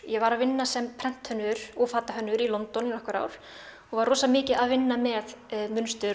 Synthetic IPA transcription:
jɛvaɾaðvɪnːasɛmpʰɾɛn̥t̪hœnːʏɾ̥ɔfaːt̪aɦœnːʏɾilɔnt̪ɔninɔhkvʏɾa̰ːwɾ̥ | ɔɣvaɾrɔːsamɪːcɪaðvɪnːamɛðmʏnst̪ʏɾ

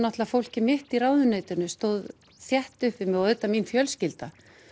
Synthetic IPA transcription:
naht̪lafowl̥cɪmɪht̪iɾawðʏneːjt̪ʏnʏst̪owð | θjɛht̪ʏhpvɪmɪœʏt̪ːaminfjœlscɪlt̪a

